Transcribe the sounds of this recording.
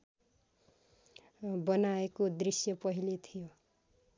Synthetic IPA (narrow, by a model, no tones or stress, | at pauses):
bʌnaekod̪risjʌpʌɦilet̪ʰijo